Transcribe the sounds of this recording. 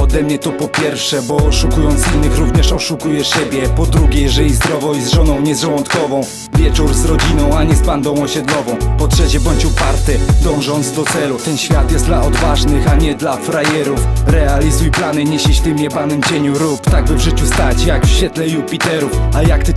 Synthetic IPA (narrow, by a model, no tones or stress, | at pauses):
ɔd̪ɛmɲɛt̪ɔpɔpʲjɛɾfʂɛbɔːʂukujɔnt̪sinːɘxɾuvɲɛʂɔʂukujɛɕɛbʲjɛpɔd̪ɾuɡʲɛjɛʐɛlʲizd̪ɾɔvɔwizʐɔnɔ̃w̃ɲɛzʐɛwɔnt̪kɔvɔ̃w̃ | vʲjɛt͡ʂuɾzɾɔd͡ʑinɔ̃w̃aɲɛzband̪ɔ̃w̃ɔɕɛd̪lɔvɔ̃w̃pɔtʂɛt͡ɕɛbɔɲt͡ɕupaɾt̪ɛd̪ɔ̃w̃ʐɔnt̪zd̪ɔt̪sɛlut̪ɛnɕfʲjat̪jɛst̪d̪laɔd̪vaʐnɘxaɲɛd̪lafɾajɛɾufɾɛalʲizujplanɘɲeɕiɕt̪ɘmjɛbanɛmd͡ʑeɲuɾupt̪aɡ̚bɘvʐɘt͡ɕust̪at͡ɕjakfɕfʲɛt̪lɛjupʲit̪ɛɾufajakt̪